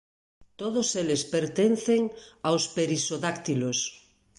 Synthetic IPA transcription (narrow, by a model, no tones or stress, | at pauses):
t̪oðoselespeɾt̪enθeŋawspeɾisoðakt̪ilos